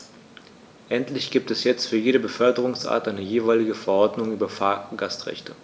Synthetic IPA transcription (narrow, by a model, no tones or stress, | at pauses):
ʔɛntlɪçɡ̥iːp̚tɛsjɛt͡stfyːɐjeːɾəbəfœɐdəʁ̞ʊŋsʔa̰ːɐtʔaɪnəjeːvaɪlɪɡəfɛɐʔɔɐdnʊŋyːbɐfaːɐɡastʁ̥ɛ̰çtʰə